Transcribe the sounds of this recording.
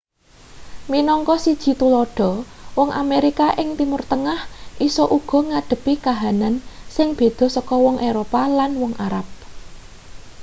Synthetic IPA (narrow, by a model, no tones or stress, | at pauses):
minɔŋkɔsid̥ʒ̥i̤t̪ulɔɖ̥ɔ̤wɔŋʔa̰meɾikaʔɪŋt̪imʊrt̪əŋahʔisɔʔuɡ̥ɔ̤ŋaɖ̪̥ə̤pikaɦanansɪŋb̥e̤d̪̥ɔ̤sɔkɔwɔŋʔeɾopalanwɔŋʔaɾap̚